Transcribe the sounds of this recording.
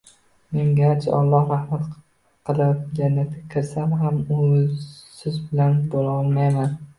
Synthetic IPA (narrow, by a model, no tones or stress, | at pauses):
me̞ŋɡʲat͡ʃʰa̰ɒ̰lˠːɒhɾahmat̪ | qʰɨlˠɪp̚d͡ʒanːat̪ʰɪkʲʰɪɾsamɦamʊ | sɪzbɪlanbolaɒlˠmajman